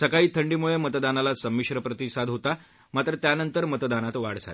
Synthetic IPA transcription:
səkaiːt̪ʰəɳɖiːmuɭemət̪d̪analasəmːiɕɾəpɾət̪isad̪ɦot̪a | mat̪ɾət̪janənt̪əɾmət̪d̪anat̪ʋa̰ɽ̤d͡za̰l

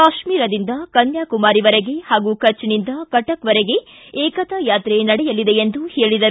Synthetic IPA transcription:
kaːʃmiːɾɐd̪ind̪ɐkɐnjaːkumaːɾiʋɐɾeɡe̞haːɡuːkɐt͡ʃːnind̪ɐkɐʈɐkʋɐɾeɡe̞ | eːkɐt̪ɐjaːt̪ɾenɐɽɛjɐlːid̪e̞end̪uheːɭid̪ɐɾ

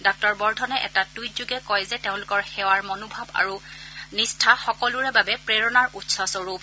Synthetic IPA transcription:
dɔk̚tɔɹbɔɹdʱɔnɛʔɛ̰tatujzuɡɛkɔjzɛteʊ̃lʊkɔɹxɛwaɹmɔnʊbʱaba̰ɹunistʰaxɔkɔluɹɛbabɛpɹeɹɔnaɹutsɔsɔɹup

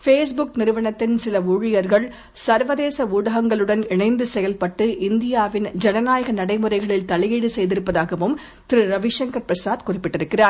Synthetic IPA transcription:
feːs̬bʊk̚nɪɾɯʋɐɳɐt̪ːɪnsɪlɐʊɻɪjɐɾɣɐɭ | sɐɾʋɐðeːsɐuːɽɐɣɐŋɡɐɭɯɽɐnɪɳɐɪnd̪ɯsɛjɐlpɐʈːɯʔɪnd̪ɪjaːʋɪnd͡ʒɛnɐnaːjɐɣɐnɐɽɐɪmɯrɐɪɣɐɭɪlt̪ɐɭɪjiːɽɯsɛjðɪɾɯpːɐðaːɣɐʋɯm | t̪ɪɾɯɾɐʋɪʂɐŋkɐɾpɾɐsaːðkʊrɪpːɪʈːɪɾɯkːɪraːɾ

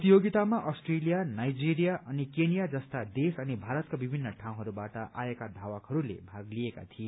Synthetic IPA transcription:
t̪ijoɡit̪amaʔʌsʈrelijanajd͡ziɾijaʔʌnikenijad͡zʌst̪ad̪esʌnibʱaɾʌt̪kabibʱinːʌʈʰaw̃ɦʌɾubaʈʌʔaekad̪ʱawakhʌɾulḛbʱaɡlieka̰t̪ʰie

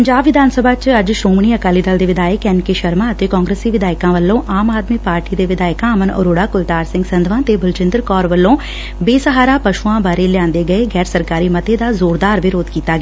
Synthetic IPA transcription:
pəɲd͡ʒaːbʋɪd̪aːnsəbaːt͡ʃəd͡ʒʃoːmɳ̃iːəkaːliːd̪əld̪eːʋɪd̪aːjəkɛːnkeʃəɾmãːət̪eːkɔːŋɡɾeːsiːʋɪd̪aːɪkãːʋəlːõːʔaːmaːd̪miːpaːɾʈiːd̪eːʋɪd̪aːɪkãːmənɔ̰ːɾoːɽaːkʊlt̪aːɾsɪ̃ŋɡsənd̪ʋãːt̪eːbəlt͡ʃɪnd̪ɾkɔːɾʋəlːõː | beːsəɦaːɾaːpəʃuãːbaːɾeːljãːnd̪eːɡəeːɡɛːɾsəɾkaːɾiːmət̪eːd̪aːzoːɾd̪aːɾʋɪɾoːd̪kiːt̪aːɡɛaː

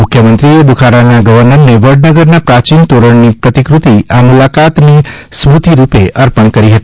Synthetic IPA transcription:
mʊkʰjəmənt̪ɾied̪ukʰaɾanaɡəʋəɾnəɾneʋəɖnəɡəɾnapɾat͡ʃint̪oɾəɳnipɾət̪ikɾut̪iamulakat̪nismut̪iɾupeʔəɾpəɳkəɾiɦət̪i̥

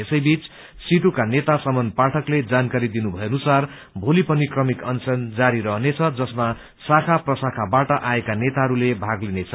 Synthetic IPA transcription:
esʌjbit͡s | siʈukanet̪asʌmʌnpaʈʰʌkled͡zankaɾid̪inubʱʌeʌnusar | bʱolipʌnikrʌmikʌnsʌnd͡zaɾiɾʌɦnet͡sʰʌd͡zʌsma | sakʰaprʌsakʰabaʈʌʔaekanet̪aɦʌɾulebʱaɡlinet͡sʰʌ

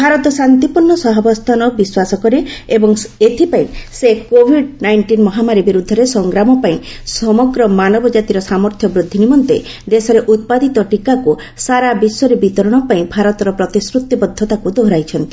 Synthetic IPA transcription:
bʱaɾɔt̪ɔsant̪ipuɾɳɔsɔɦɔbɔst̪ʰanɔbiswasɔkɔɾeebɔŋet̪ʰipaĩsekobʱiɖnajɳʈinmɔɦamaɾibiɾud̪ʱːɔɾesɔŋɡɾamɔpaĩsɔmɔɡɾɔmanɔbɔd͡ʒat̪iɾɔsamɔɾt̪ʰjɔbɾud̪ʱːinimɔnt̪e | d̪esɔɾeʔut̪̚pad̪it̪ɔʈikaku | saɾabisɔɾebit̪ɔɾɔɽ̃ɔpaĩbʱaɾɔt̪ɔɾɔpɾɔt̪isɾut̪jɔbɔd̪ʱːɔt̪akud̪oɦɾajt͡ʃʰɔnt̪i̥

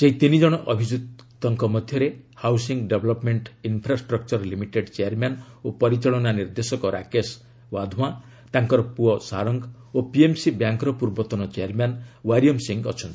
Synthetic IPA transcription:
d͡ʒeɦit̪inid͡ʒɔɽ̃ɔʔɔbʱid͡ʒut̪ɔŋkɔmɔd̪ʱjʌɾehawsiŋɡɖebʱlɔpmeɳʈinpʰɾasʈɾɔk̚t͡ʃɔɾlimiʈeɖt͡ʃejaɾmjan | opɔɾit͡ʃɔɭɔnaniɾd̪esɔkɔɾa̰kes | wad̪ʱuã | t̪aŋkɔɾɔpuɔsaɾɔŋɡ | opiemsibjaŋkɾɔpuɾbɔt̪ɔnɔt͡ʃeaɾmjanwaɾjɔmsiŋɡɔt͡ʃʰɔnt̪i̥

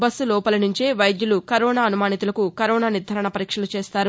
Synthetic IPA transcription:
bɐsːulɔːpɐlɐnuɲt͡ʃeːʋɐjd̪julukɐɾɔːnaːɐnumaːnit̪ulɐkukɐɾɔːnaːniɾd̪ʱɐɾɐɳɐpɐɾiːkʂɐlut͡ʃeːst̪aːɾu

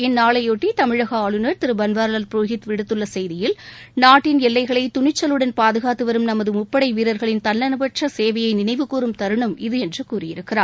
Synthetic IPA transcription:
ɪnːaːɭɐɪjoʈːit̪ɐmɪɻɐɣɐaːɭɯnɐɾt̪ɪɾɯbɐnʋaːɾɐlɐlpɾoːɣɪt̪ʋɪɽɯt̪ːɯɭːɐsɐjðɪjɪlnaːʈːɪnɛlːɐɪɣɐɭɐɪt̪ʊɳɪt͡ʃːɐlɯɽɐnpaːðɯɣaːt̪ːɯʋɐɾɯmnɐmɐðɯmʊpːɐɽɐɪʋiːɾɐɾɣɐɭɪnt̪ɐnːɐnɯʋɐʈʂɐseːʋɐjɐɪnɪnɐɪʋɯkuːɾɯmt̪ɐɾɯɳɐmɪðɯɛndrɯkuːrɪjɪɾɯkːɪraːɾ

